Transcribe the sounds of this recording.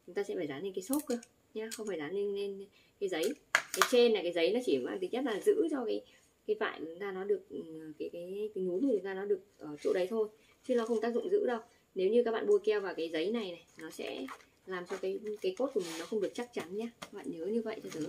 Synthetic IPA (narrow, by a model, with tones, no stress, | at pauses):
t͡ɕʊ˨˦ŋ͡mt̪aː˧sɛ̰˧˥faː˧˩jzaː˨˦ne˧nkaː˨˦so˦˥t̚kə˧˦ | ɲaː˧xə˧wŋ͡mfaː˧˩jzaː˨˦ne˧nːe˧n | kaː˨˦jzə˨˦jkaː˨˦jt͡ɕe˧nːaː˨˩kaː˨˦jzə˨˦jnɔ˨˦t͡ɕi˧˩˨ɓa̰ː˧˨t̪i˨˦ŋzə˦˥t̚laː˨˩zɨ̰˧˥t͡ɕɔ˧kaː˨˦j | kaː˨˦jva̰ː˧˨jt͡ɕʊ˨˦ŋ͡mt̪aː˧nɔ˨˦ɗɨ˨˩ək̚ːkaː˨˦jkaː˨˦jka˨˦jŋu˨˦nu˨˩t͡ɕʊ˨˦ŋ͡mt̪aː˧nɔ˨˦ɗɨ˨˩ək̚ʔəː˨˩t͡ɕo̰˧˥ɗə˨˦jt̪ʰo˧j | t͡ɕɨ˦nɔ˨˦xə˧wŋ͡mt̪aː˦˥k̚zʊ̰˧˨ŋ͡mzɨ̰˧˥ɗə˧w | ne˨˦wɲɨ˧k̬a˦˥k̚ɓa̰ː˧˨ɓu˧əkɛ˧wvaː˨˩wkaː˨˦jzə˨˦jna˨˩jna˨˩jnɔ˨˦sɛ̰˧˥ | laː˨˩mt͡ɕɔ˧kaː˨˦jkaː˨˦jko˦˥t̚ku˧˩əmi̟˨˩nɔ˨˦xə˧wŋ͡mɗɨ˨˩ək̚t͡ɕa˦˥k̚t͡ɕa˨˦nɲaː˧kaː˦˥ɓa̰ː˧˨nɲə˨˦ɲɨ˧və̰˧˨jt͡ɕɔ˧t̪ʰɨ˨˦